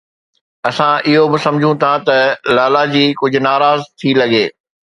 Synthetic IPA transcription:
ɐsãɪɦobɪsɐ̃md͡ʑʱũt̪ʰat̪ɐlaːlad͡ʑiːkʊd͡ʑʱʊ̆naːɾaːzt̪ʰilɐɡeː

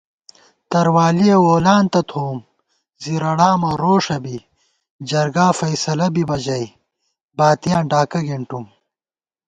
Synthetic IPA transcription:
t̪ɐɾwaːlijewoːlaːnt̪ɐt̪ʰoːm | ziɾɐɽaːmɐɾoːʂɐbi | d͡ʑɐɾɡaːfɐjsɐlɐbibɐd͡ʑɐj | baːt̪ijãːnɖaːkɐɡiɳʈum

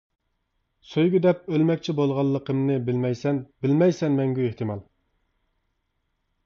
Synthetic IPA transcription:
søjɡʲyd̪ɛp̚ølmɛkʲt͡ʃʰibolˠʁɑlˠːəqʰəmnɨbɪlmɛjsɛnbɪlmɛjsɛnmɛŋɡʲyeht̪ʰɨmɑlˠ

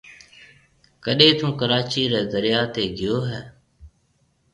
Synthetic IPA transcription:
kəɗeːt̪ũːkəɾaːt͡ʃiːɾeːd̪əɾɪjaːt̪eːɡɪjoːɦɛː

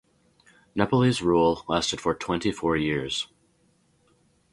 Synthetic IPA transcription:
nɛpl̩ˠizɹulˠlæstɨd̥fə˞tʰw̥ɛ̃ntifɔɹjɪɹz̥

